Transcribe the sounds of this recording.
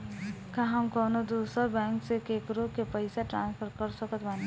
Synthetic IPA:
kãɦəmkoːnod̪uːsəɾbɛ̃ːŋksekekɾokepəɪsaʈɾã̰ːnspʰəɾkəɾsəkət̪baːni

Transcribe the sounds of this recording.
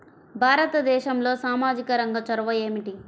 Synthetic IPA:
bʱaːɾɐt̪ɐd̪ɛːʃɐmlo̞ːsaːmaːd͡ʒikɐɾɐŋɡɐt͡ʃɐɾɐʋɐjeːmiʈi

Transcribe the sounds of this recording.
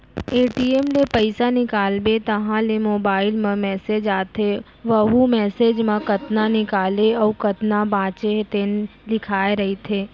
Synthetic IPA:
eːʈiemlepɐɪsanɪkaːlbet̪ɐɦãlemoːbaːɪlmẽmɛːseːd͡ʒaːt̪ʰe | ʋɐɦumɛːseːd͡ʒmãkɐt̪nanɪkaːleɔːkɐt̪nabãːt͡ʃet̪eːnlɪkʰaːeɾɐɦit̪ʰeː

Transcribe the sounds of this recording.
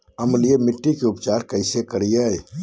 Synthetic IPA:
əmliemiʈːikeupt͡ʃaːɾkəɪsekəɾijəj

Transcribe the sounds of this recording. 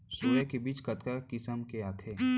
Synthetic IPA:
suːjekebiːt͡ʃkɐt̪kakɪsəmkeaːt̪ʰeː

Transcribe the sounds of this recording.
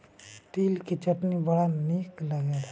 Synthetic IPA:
t̪ilkit͡ʃəʈnibəɽanikləɡɛd̪a

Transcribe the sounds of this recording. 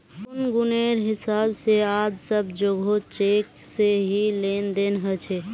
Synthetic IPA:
ʊnɡuneɾɦɪsaːbseaːd͡ʒsəb̚d͡ʒoɡʱot͡ʃekseɦilend̪enɦət͡ʃʰɛ

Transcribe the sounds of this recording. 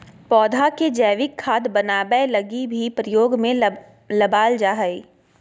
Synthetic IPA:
pɔːd̪ʱaked͡ʒɛːʋɪkʰːaːd̪bɐnaːbɛlɐɡibʱipɾəjoːɡmẽ | lɐbaːld͡ʒaːɦəiː

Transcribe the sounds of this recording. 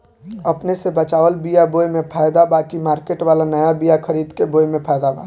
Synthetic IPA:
əpnesebət͡ʃaːʋəlbijaboːjmẽpʰaːjd̪abaːkimaːɾkeʈʋaːlanəjabijakʰəɾiːd̪keboːjmẽpʰaːjd̪abã̰

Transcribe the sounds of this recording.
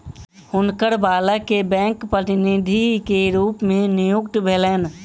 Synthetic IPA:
hʊnkəɾbaːlakebɛ̃ːŋkpɾət̪ɪnid̪ʱikeɾuːpmẽnɪjʊkʈ̪bʱeːleːn

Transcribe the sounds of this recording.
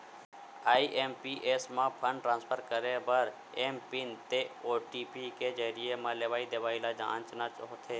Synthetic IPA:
aːiʔeːmpiʔeːsmãpʰə̃ɳɖʈɾãːnspʰəɾkəɾebəɾ | eːmpɪnt̪eoːʈipiked͡ʒəɦɾiemãleːʋaːid̪eːʋaːilad͡ʒã̰ːnt͡ʃnat͡ʃɦot̪ʰeː

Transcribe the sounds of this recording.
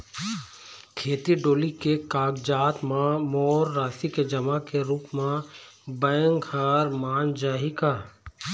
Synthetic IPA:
kʰeːt̪iɖoːlikekaːɡd͡ʒaːt̪mãmɔːɾːaːsiked͡ʒɐmakeɾuːpmẽ | bɛ̃ːŋɡhaːɾmaːnd͡ʒaːɦikaː

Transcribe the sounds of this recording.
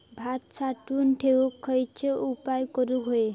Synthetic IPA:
bʱat̪sʰaʈunʈʰeukʰːɔjt͡ʃʰeupaekoɾuɦoe

